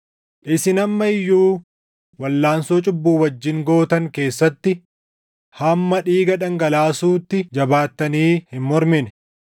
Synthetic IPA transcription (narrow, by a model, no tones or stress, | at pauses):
ʔɪsɪnɐmːɐɪjːuː | wɐlːaːnsoːt͡ʃʼʊbːuːwɐd͡ʒːɪŋɡo̞ːt̪ɐŋke̞ːsːɐt̪ːɪ | hɐmːɐᶑiːɡɐᶑɐŋɡɐlaːsuːt̪ːɪd͡ʒɐbaːt̪ːɐniːhɪmmɔɾmɪnɛ